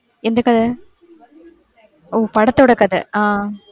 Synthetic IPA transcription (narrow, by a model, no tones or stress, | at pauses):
ɛnd̪ɐkːɐðɯ | oːpɐɽɐt̪ːɔɽɐkɐðɯ̰ãː